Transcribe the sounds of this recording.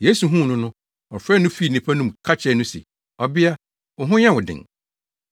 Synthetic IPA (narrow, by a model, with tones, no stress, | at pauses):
jeː˨˦su˨ɦũ˦˨nʊ̃˦nʊ̃˦ | ɔ˨fɾɛ˦˨nʊ̃˦fi˦˨nĩ˨pʰa˦nũ˦mkʰa˦t͡ɕʰɛ˦˨˦nʊ̃˦sɛ̰˨ | ɔ˨bɪ˦a˦ | wʊ˨ɦʊ̃˦ɲã˦wʊ˨dɪ̰̃˨ŋ